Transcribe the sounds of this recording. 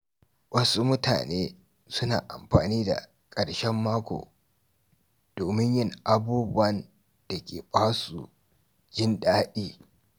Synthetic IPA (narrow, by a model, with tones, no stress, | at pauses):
wʔɐ˦su˦mʊ˦tʰa̰ː˨neː˦ | sʊ˦naː˨ʔa̰˨mɸa̰ː˨niː˦da̰˨ | kʼɐ˨ɽʃɛ˦mːaː˦kʷo̰ː˨ | d̥oː˨mɪ˦ɲjɪ˦˨ŋʔa˦buː˦bʊ˦wɐ˨n | d̥a˨kʲeː˨ɓaː˦su˨ | d͡ʒɪ˦nɗaː˦ɗiː˦